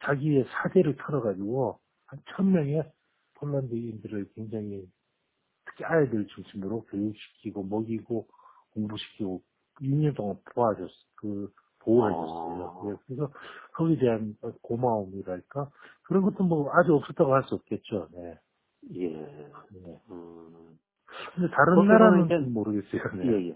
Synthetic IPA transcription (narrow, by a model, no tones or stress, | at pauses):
t͡ɕaɡie̞sʰade̞ɾɯɭtʰʌɾʌɡad͡ʑiɡo | hant͡ɕʰʌnmjʌŋe̞ | pʰoɭːandɯindɯɾɯɭkwe̞ŋd͡ʑaŋi | tʰɯ̥kʰeaedɯɭt͡ɕuŋɕʰimɯɾokejuɕʰi̥kʰiɡomʌɡiɡo | koŋbuɕʰi̥kʰiɡo | juɲʌnt͈oŋanpoad͡ʑʌs͈kɯ | poɦeʌs͈ʌjoje̞kɯɾes̬ʰʌkʌɡideanakomaomiɾaaɭk͈akɯɾʌnɡʌt͈ɯmwʌad͡ʑuʌp̚s͈ʌt͈aɡohaɭs͈uʌp̚k͈e̞t̚t͡ɕ͈one̞ | jḛne | kɯndetaɾɯnːaɾaɯnemoɾɯɡe̞s͈ʌjone